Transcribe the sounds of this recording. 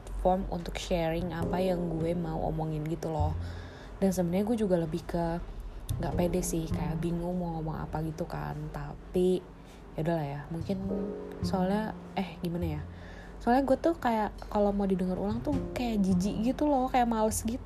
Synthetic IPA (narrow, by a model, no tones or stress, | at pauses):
t̪fɔrmṵnt̪ʊkʃɛɾɪŋapajaŋɡuɛmaṵʔo̰mɔŋɪnɡit̪ulɔh | dansəbənaɲaɡuɛd͡ʒuɡaləbɪhkə | ŋɡaʔpedɛsɪhkajaʔbiŋʊŋmaomɔŋa̰paɡit̪uka̰nt̪api | audalahjamuŋkɪnsoalɲa | ʔɛhɡimanaja | soalɲaɡuɛt̪uhkajaʔkalomaudidəŋəɾṵlaŋt̪ukajaʔd͡ʒid͡ʒiʔɡit̪ulɔhkajaʔmalʊsɡit̪